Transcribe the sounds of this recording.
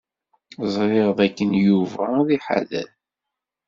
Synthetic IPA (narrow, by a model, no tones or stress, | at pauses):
zˤɾeʁðˤækːənjuvæðiħa̰ðæ̰l